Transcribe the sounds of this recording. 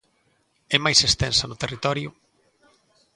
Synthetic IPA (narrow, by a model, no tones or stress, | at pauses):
ɛmajsest̪ɛnsɐnʊt̪erit̪ɔɾjʊ